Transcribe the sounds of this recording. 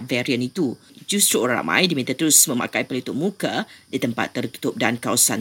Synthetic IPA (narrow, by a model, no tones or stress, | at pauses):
vɛɾiənit̪u | d͡ʒust̪ɾuɾaa̰mã̰jdimĩt̪at̪əɾʊsmə̃ma̰kajpəlut̪ʊʔ̚mukədit̪əmpa̰t̪ːərk̪i̥t̪ʊp̚dankawasan